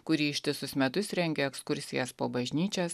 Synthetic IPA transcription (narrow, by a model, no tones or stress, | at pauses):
kʊɾʲiːɪʃʲt̪ʲɪsʊsmʲɛt̪ʊsɾʲɛŋʲɡʲɛːɛkskʊɾʲsʲɪjɛspoːbɐʒʲnʲiːt͡ʃʲɛs